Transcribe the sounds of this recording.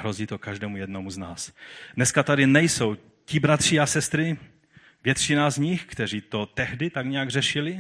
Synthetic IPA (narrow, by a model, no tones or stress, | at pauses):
ɦɾo̞ziːt̪o̞kaʒdɛːmujɛdnomuznaːsdnɛskat̪adɪnɛjso̞w | cɪbɾat̪r̝̥iasɛst̪ɾɪ | vjɛt̪t͡ʃɪnazɲɪxkt̪ɛr̝iːt̪o̞t̪ɛɦdɪt̪aɡɲɛjaɡr̝ɛʃɪlɪ